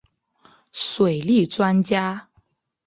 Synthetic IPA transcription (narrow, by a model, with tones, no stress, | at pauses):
swe˨˩ɪli˥˩t͡swa˥nt͡ɕja˥